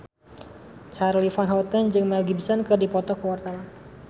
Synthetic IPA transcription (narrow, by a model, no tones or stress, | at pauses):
t͡ʃaɾlifanɦɔt̪ənd͡ʒɨŋmɛlɡibsənkɨrdipɔt̪ɔkəwart̪awa